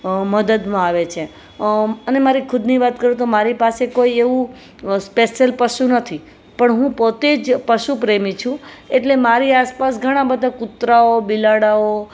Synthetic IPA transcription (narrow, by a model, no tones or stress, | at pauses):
məd̪əd̪mãaʋet͡ʃʰe | ənemaɾikʰʊd̪niʋat̪kəɾũt̪omaɾipasekoieʋũ | speʃəlpəʃunət̪ʰi | pəɳɦũpot̪ed͡ʒpəʃupɾemĩt͡ʃʰũeʈlemaɾiaspasɡʱəɽ̃ãbəd̪ʱakʊt̪ɾaobilaɽao